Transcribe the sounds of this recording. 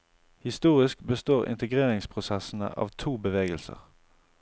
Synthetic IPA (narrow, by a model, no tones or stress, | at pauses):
hɪst̪uːʁɪskbəst̪oːʁɪ̰nt̪əɡʁeːʁɪŋspʰʁʊsɛsn̩ə̰ʔɑ̰ːʋt̪ʰuːbəʋeːɡəlsə̰ʁ